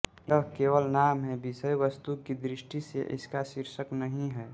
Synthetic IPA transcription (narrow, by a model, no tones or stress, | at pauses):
əɦkeːwəlnaːmɦɛbisəjʋəst̪ukid̪ɾɪʃʈisḛʔɪ̰skasɪɾʃəknəɦĩɦɛː